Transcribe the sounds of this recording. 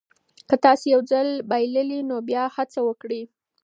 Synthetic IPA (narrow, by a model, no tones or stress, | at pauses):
kət̪ɑsejawd͡zəlbajləlinobjɑhat͡sawəkɽi